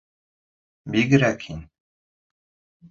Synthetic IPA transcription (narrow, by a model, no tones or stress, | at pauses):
biɡɘ̆ɾækhin